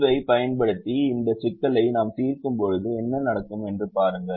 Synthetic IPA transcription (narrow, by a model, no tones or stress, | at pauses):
ʋɐɪpɐjɐnpɐɽɯt̪ːiɪnd̪ɐsɪkːɐlɐɪnaːmsiːrkɯmpɔɻɯðɯɛnːɐnɐɽɐkːɯmɛndrɯpaːɾɯŋɡɐ